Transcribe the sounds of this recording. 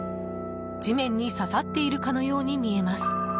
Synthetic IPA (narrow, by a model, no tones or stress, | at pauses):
d͡ʑimẽ̞ɲ̟ːisasat̪ːe̞iɾɯ̟kano̞jo̞ːɲ̟imʲie̞masɨ̥